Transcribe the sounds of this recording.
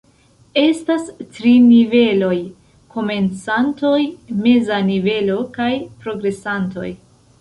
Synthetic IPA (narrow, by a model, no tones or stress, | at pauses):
e̞stastɾinive̞lo̞j | kʰo̞me̞nt͡santo̞jme̞zanive̞lo̞kajpɾo̞ɡɾe̞santo̞̰j